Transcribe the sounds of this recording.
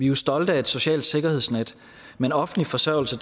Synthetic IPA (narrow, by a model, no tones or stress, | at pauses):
ʋiusd̥ɒ̽ld̥əæe̝d̥so̝ɕɛ̰ːld̥se̝ɡ̥ɐhe̝ð̰ˠsned̥ | menɒ̽fn̩lifɒ̽sɶɐ̰ʊl̩səd̥